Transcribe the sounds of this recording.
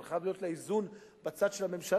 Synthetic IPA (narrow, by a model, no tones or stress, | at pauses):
lχavlijo̞t̪leizunbat͡sad̪ʃelhame̞mʃal